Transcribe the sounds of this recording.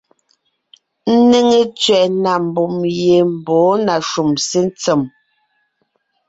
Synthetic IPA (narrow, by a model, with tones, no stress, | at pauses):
n̩˦ne˦ŋe˦t͡sɥɛ˨ʔna˨m˨bu˨mje˨m̩˨bɔː˨˦na˨ʃu˨mse˦n˦t͡sɛ˨m